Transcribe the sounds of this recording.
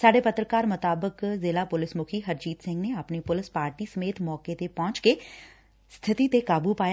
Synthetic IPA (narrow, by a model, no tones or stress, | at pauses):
saːɖeːpət̪ɾəkaːɾmʊt̪aːbəkzeːlaːpʊlɪsmʊkʰiːɦəɾd͡ʒiːt̪sɪ̃ŋɡneːapneːpʊlɪspaːɾʈiːsəmeːt̪mɔːkeːt̪eːpɔ̃ːt͡ʃkeː | st̪ʰɪt̪iːt̪ekaːbuːpaːj